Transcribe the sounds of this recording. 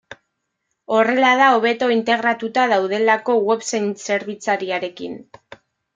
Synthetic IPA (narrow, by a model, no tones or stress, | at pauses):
o̞re̞lað̞ao̞βe̞t̪o̞int̪e̞ɣɾat̪ut̪að̞awð̞e̞lako̞ɣwe̞βsejnse̞ɾβ̞it͡saɾiaɾe̞kḭn